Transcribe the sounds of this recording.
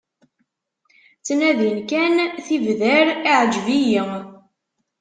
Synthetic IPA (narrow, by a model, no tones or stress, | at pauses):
t͡sːnæðənkænθivðəɾiʕəd͡ʒviji